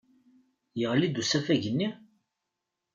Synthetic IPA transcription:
jəʁlid̪usæfæʝənːi

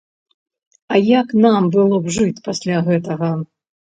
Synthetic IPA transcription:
ɐjaknambɨlˠɔbʐɨt͡sʲpasʲlʲaɣɛt̪ɐɣɐ

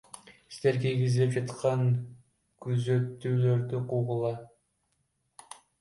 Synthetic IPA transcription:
st̪eɾkʲiɾɡʲizilip̚d͡ʒɑt̪qɑŋ | kʰyzø̞t̪ːyːløɾd̪yquʁulˠɑ

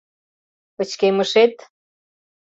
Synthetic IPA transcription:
ə̆t͡ɕkemə̆ʃet̪

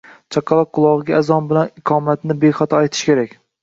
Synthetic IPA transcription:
t͡ʃʰɑqʰːɑlˠɒq̚qʰːʊlˠɒʁɨɡʲaazɒnbɪlanɪqʰɒːmat̪nɪbejχɑt̪ʰɒajt̪ʰɪ̥ʃkʲʰe̞ɾakʲ

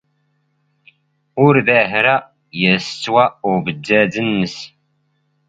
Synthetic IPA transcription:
ʊɾðæɦɾæ | jæsə̥t͡sːwæʊbəd̪ːæðənːəs

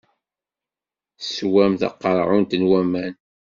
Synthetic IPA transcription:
swæmθɑ̰qːəɾˤʕʊnt̪ənwæmæn

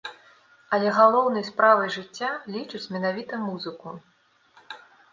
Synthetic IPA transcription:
ɐlʲɛɣalˠɔwnɐjspɾavɨjʐɨt͡sʲːalʲit͡ʂɨt͡sʲmʲɛnavʲit̪ɐmuzɨku

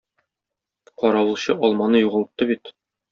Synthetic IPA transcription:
qɒɾɑwɤ̆lˠɕɤʔɒlˠmɑnɤjuʁɤ̆lˠɤt̪ːɤbit̪

